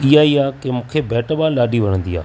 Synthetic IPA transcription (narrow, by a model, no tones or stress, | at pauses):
iaiːaːkemũːkʰebɛːʈəɓãlaːɖiʋɐnə̃nd̪ia̰ː